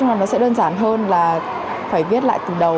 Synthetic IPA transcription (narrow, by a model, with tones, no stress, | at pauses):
ŋ͡ma˨˩nɔ˨˦sɛ̰˧˥ɗəː˧nzaː˧˩nɦəː˧nlaː˨˩ | faː˧˩jvi˦˥t̚la̰ː˧˨jt̪ɨ˨˩ɗə˨˩